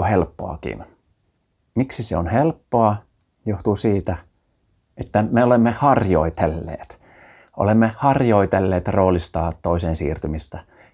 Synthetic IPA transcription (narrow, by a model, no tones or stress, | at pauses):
helpːoɑ̰kḭn | miksiseonhelpːoɑ | joht̪usiːt̪æ | ʔet̪ːæmeolemːehɑrjoit̪elːḛːt̪ | ʔo̰lemːehɑrjo̞it̪elːeːt̪roːlist̪ɑːt̪oiseːnsḭːrt̪ymist̪æ